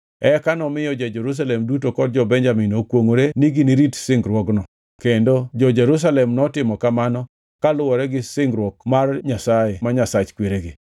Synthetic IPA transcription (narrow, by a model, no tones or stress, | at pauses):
ɛkanɔmɪjɔd͡ʒed͡ʒɛɾus̬alɛmdutokɔd̚d͡ʒɔbɛɲd͡ʒaminokwoŋoɾeniɡiniɾitsɪŋɡɾwɔɡnɔ | kendod͡ʒɔd͡ʒɛɾus̬alɛmnɔtɪmɔkamanɔ | kalʊwɔɾɛɡɪsɪŋɡɾwɔk̚marɲasajemaɲasat͡ʃkweɾeɡɪ